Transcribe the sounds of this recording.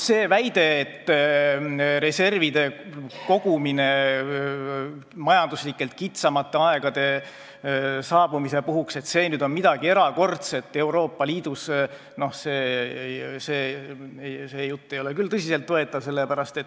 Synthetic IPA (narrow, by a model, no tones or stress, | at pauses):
se̞ːvæjd̪̥e̞ːt̪ː | ɾe̞se̞rvid̪̥e̞ko̞ɡ̥umine̞ | mɑjɑnd̪̥uslikːˑe̞lt̪̚kit̪sɑmɑt̪ːe̞ɑe̞ɡ̥ɑd̪̥e̞ | sɑːbumise̞puɦukse̞t̪se̞ːnyːd̪o̞nmid̪ɑɡ̥ie̞ɾɑko̞rt̪se̞t̪ːˑe̞wɾo̞ːpːɑliːd̪̥us | no̞hseː | seː | seːjut̪ːe̞jo̞le̞kylt̪ɤsʲise̞lt̪ːo̞et̪ːˑɑvse̞lːepæɾɑst̪e̞t̪ː